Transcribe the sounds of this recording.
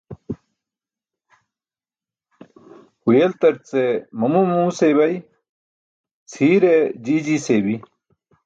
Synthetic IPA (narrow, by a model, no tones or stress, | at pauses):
hujelt̪ɐɾt͡semɐmumuːsebɐj | t͡sʰiːɾed͡ʑiːd͡ʑisebi